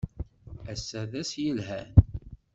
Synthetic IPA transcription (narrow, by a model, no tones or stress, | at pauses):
æsːæðæsjəlɦæn